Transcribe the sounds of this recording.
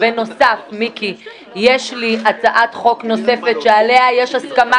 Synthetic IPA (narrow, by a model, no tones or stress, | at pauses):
veno̞safmiki | jeʃliat͡saʔat̪χo̞kno̞se̞fetʃeale̞ajeʃaskama